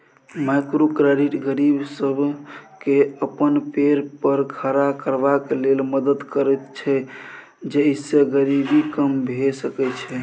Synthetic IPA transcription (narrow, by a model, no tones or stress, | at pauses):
makɾokɾaɾiʈɡəɾibsəbʱkeəpənpeɾpəɾɡʰʱəɾakəɾbakelelməd̪əd̪kəɾɛt̪t͡ʃʰɛ | d͡ʒeiseɡəɾibikəmbʱesəkɛt͡ʃʰɛ